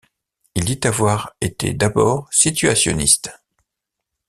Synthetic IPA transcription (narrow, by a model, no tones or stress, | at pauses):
ild̪it̪avwaʁet̪ḛd̪abɔːʁsit̪ɥasjɔ̰nist̪